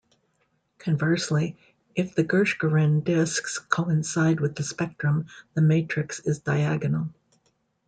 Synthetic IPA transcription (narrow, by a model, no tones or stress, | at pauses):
kʰɨ̃ɱvɜ˞sli | ɨfðɨɡɜ˞ʃɡ̥ə˞ɪ̃ndɪskskʰoʊɨ̃nsaɪd̚wɨðɨspɛk̚tɹ̥ɨ̃mðɨmeɪt͡ʃɹ̥ɨksɪzdaɪæɡɨnl̩ˠ